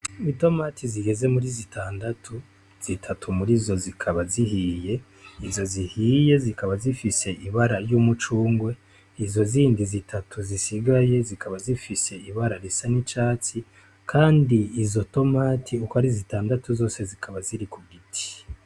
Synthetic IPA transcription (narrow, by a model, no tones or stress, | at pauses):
βito̞maːtʰiziɡe̞ze̞muɾizitʰaːndatʰu | z̥itʰatʰumuɾizo̞zikʰaβazihiːje̞ | izo̞zihiːje̞zikaβazifise̞ʔiβaɾaɾjumut͡ʃuːŋɡwe̞ | izo̞ziːndizitʰatʰuzisiɡaje̞zikʰaβazifise̞iβaɾaɾisanit͡ʃaːt͡si | kʰaːndiːzo̞to̞maːtʰiukohaɾizitaːndatuzo̞ːse̞zikʰaβaziɾikuɡitʰi̥